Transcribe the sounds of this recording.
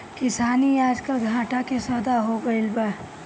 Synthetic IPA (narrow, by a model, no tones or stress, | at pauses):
kɪsaːniaːd͡ʒkəlɡʱãːʈakesəd̪aɦoɡəɪlbɛ